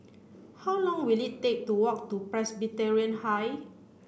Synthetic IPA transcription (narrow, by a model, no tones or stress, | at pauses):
hawlɔ̃ŋwilitek̚tuwɔk̚tupɹɛsbitɛɹiə̃nhaj